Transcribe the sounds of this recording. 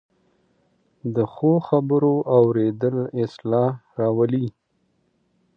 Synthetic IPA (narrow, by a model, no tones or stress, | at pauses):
d̪əxoxabəɾoʔawɾed̪əlɪslɑɾɑwəli